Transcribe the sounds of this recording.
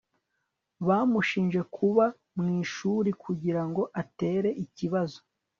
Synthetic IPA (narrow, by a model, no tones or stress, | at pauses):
βaːmuʃiːnʒe̞kʰuβa | mŋiːʃuːɾikʰuɟiɾaŋɡo̞ʔate̞ːɾe̞ʔiciβazo̞